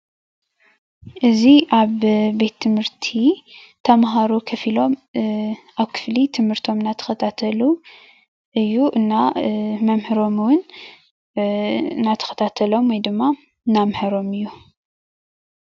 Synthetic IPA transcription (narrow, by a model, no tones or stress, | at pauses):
ʔɨziʔaβbet̪ʰːɨmhɨɾt̪ʰi | t̪ʰɐmɦaɾukʰɐfilo̞m | ʔaβkʰɨ̥flit̪ʰɨmhɨɾt̪ʰo̞mɨnːat̪ʰɐ̥xɐt̪ʰat̪ʰɐlu | ʔɨjːuʔɨnːamɐmhɨɾo̞mwʊn | nat̪ʰɐ̥xɐ̥t̪ʰat̪ʰɐlo̞mwojd̪ɨmːa | ɨnːamhɨɾo̞mɨjːu